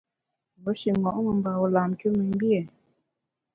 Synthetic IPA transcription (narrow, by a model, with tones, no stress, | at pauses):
bo˨˦ʃi˨ŋɡɔ˨ʔŋə˨m˨ba˨ɔ˨la˨mku˦mi˨m˦bi˦e˨